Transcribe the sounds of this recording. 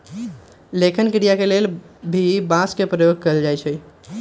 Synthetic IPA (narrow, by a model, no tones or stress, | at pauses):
lekʰinkiɽijakelelbʱibãskepɾəjoɡ̚kəeld͡ʒajt͡ʃʰɛ